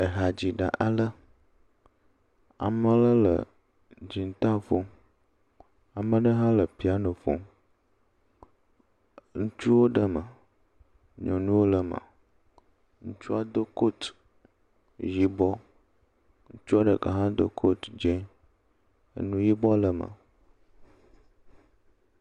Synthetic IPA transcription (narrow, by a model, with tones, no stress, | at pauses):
ə˨ɦa˨d͡ʑi˨ɖa̰˨ʔa˨lə˦ | a̰˨mə˦lə˦lə̰˨ | d͡ʑi˨n˦t̪ã˦fo˦ | a˨mə˦ɖə˦ɦã˦lə˨pi˦a˦nə̃˨fo̰˦ | ŋũ˦t͡ʃu˦wo˦ɖə˦mə̰˨ | ɲɔ̃˨nũ˦wo˦lə˨mã̰˨ | ŋũ˦t͡ʃu˦a˦d̪o˦ko˦t̪ | ji˦bɔ˦ | ŋũ˦t͡ʃu˦a˦ɖə˨ka̰˨ɦã˦d̪o̰˦kʰo˦t̪d͡ʒẽ˦ | ə̰˦nũ˦ji˦bɔ˦lə˨mə̰˨